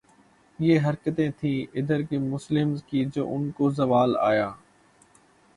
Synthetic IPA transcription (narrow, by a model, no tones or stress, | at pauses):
ɪjeːɦɐɾkət̪ẽːt̪ʰĩːɪd̪əɾkemʊslɪmzkiːd͡ʒo̰ːʔʊnkoːzɐʋaːla̰ːjaː